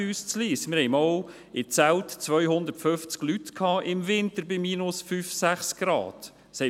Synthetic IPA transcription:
yːst͡sliːsmɪɾhɛɪmɔw | ɪt͡sæltt͡sʋœʏɦʊnd̪əɾtføft͡sɡ̥lytkʰɑːʔɪmvɪntəɾbɪmiːnʊsfyːfsæχsɡ̥ɾɑ̰ːd̥ | shɛ

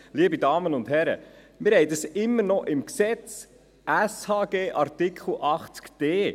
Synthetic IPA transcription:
liəbidɑːmənʊndhɛɾə̰ | mɪɾhɛɪdɑsɪmːəɾnɔʔɪmksɛt͡s | ʔæshɑːɡ̥eːʔɑɾtɪkʰχl̩ʔɑχt͡skd̥eː

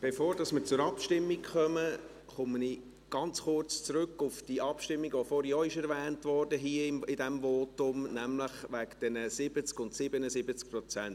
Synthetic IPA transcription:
b̥efoːɾd̥ɑsmət͡sʊɾɑpʃtɪmːikχœmə | χʊməni | ɡ̥ɑnt͡sχʊrt͡st͡sɾʉkːʊfd̥iʔɑpʃtɪmːiɡʋofɔːɾjɔːɪʃɛɾʋæːntvɔrdəɦiəɪmɪdɛmvɔːtʊmnæmləχʋækd̥ɛnəsɪbət͡skʊntsɪbənəsɪbət͡sk̚pɾɔt͡sɛnt

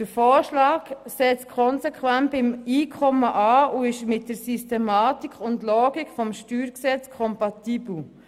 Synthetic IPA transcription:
d̥əɾfoːɾʃlɑːksɛt͡skʰɔnsɛkʰwæntɪmiːkʰɔməʔɑːuɪʃmɪt̚d̥əɾsistɛmɑːtikʰʊndlɔːɡikfɔmʃtyːɾksɛt͡skʰɔmpɑtiːbl̩

